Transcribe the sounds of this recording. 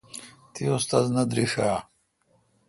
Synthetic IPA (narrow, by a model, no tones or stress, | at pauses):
t̪ʰiost̪aznɐd̪ɾiʂaː